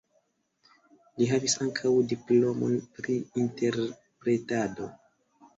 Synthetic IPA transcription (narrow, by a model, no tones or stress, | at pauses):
liɦavisaŋkʰawdiplo̞mo̞̰npɾiːnte̞ɾ | pɾe̞tado̞